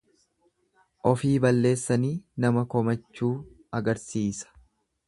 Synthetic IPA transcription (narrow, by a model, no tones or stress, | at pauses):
ʔɔfiːbɐlːe̞ːsːɐniːnɐmɐkɔmɐt͡ʃːuː | ɐɡɐɾsiːsɐ̥